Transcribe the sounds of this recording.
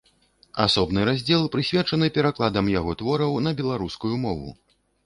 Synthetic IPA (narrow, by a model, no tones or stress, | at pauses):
asɔbnɨɾazʲd͡zʲɛlˠpɾɨsʲvʲɛt͡ʂɐnɨpʲɛɾaklˠad̪ɐmjaɣɔt̪vɔɾɐwnɐbʲɛlˠaɾuskujumɔvṵ